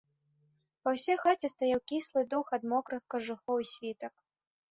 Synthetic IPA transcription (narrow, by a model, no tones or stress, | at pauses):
pɐwsʲɛxat͡sʲɛst̪ajawkʲislˠɨd̪uxɐd̪mɔkɾɨxkɐʐuxɔwisʲvʲit̪ɐk